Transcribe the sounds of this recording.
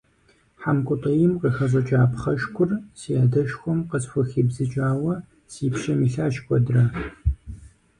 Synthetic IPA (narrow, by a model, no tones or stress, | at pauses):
ħamkʷʼʊtʼɐjɪmqəxɐzɐt͡ʃʼaːpχɐʃkʷʰʼʊrsijaːdɐʃxʷɔmqəsxʷʊxiːbzɨt͡ʃʼaːwɐ | siːpʃɐmiːɬaːʃkʷʰʼɔdrɐ